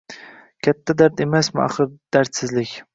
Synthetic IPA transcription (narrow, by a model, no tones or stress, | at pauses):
kʲʰat̪ʰːad̪aɾt̪e̞masmɪ̰ɑ̰χɨɾd̪̥aɾt̪sɪzlɪkʲ